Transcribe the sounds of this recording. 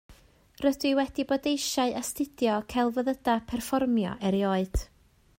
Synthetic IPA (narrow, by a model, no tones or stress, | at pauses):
rədɨwɛdibodejʃaɨʔastɪd̥jɔkʰalˠvəðədapʰɛrfɔrmjɔ̰ʔɛɾjoːɨd̥